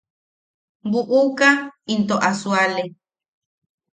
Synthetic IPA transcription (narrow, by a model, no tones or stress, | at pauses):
buʔukaint̪oʔasuale